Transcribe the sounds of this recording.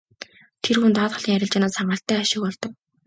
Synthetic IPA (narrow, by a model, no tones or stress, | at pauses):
t̪ʰerxunt̪ɔːt̪χɞ̆ɮiːŋæɾʲɪ̆ɮt͡ɕanaːsaɴɢə̆ːɬt̪æːaʃɪ̆kpɔɮt̪ɞ̆k̚